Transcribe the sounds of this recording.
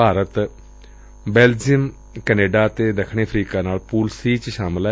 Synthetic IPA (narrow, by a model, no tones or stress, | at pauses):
aːɾət̪ | bɛːld͡ʒiəm | kəneːɖaːt̪eːd̪əkʰɽeːəpʰɾiːkaːnaːlpuːlsiːt͡ʃʃaːmɪlɛ